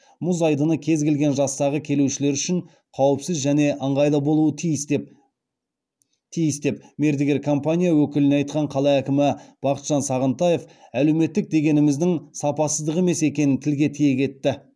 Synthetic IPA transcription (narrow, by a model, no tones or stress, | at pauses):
mʊzɑjd̪ənəkʲʰe̞zɡʲe̞lɡʲe̞nʒɑst̪ɑʁəkʲʰe̞luʃɪle̞ɾʏʃɪɴ | qʰɑwəpsɪzʒæne̞ʔəɴʁɑjlˠəbo̞lˠuət̪ʰ | t̪ʰijɪst̪e̞p̚me̞ɾd̪ɪɡʲe̞ɾkʰo̞mpanʲijawɵkʲɪlɪneɑjt̪̚qɑɴqʰɑlˠɑækʲɪmɪb̥ɑqət̪ʒ̥ɑnsɑʁənt̪ɑje̞fæle̞wme̞t̪ːɪk̚d̪e̞ɡʲe̞nɪmɪzd̪ɪŋsɑpɑsəzd̪əʁe̞me̞se̞kʲe̞nɪnt̪ʰɪlɡʲe̞t̪ʰije̞kʲʰe̞t̪ːɪ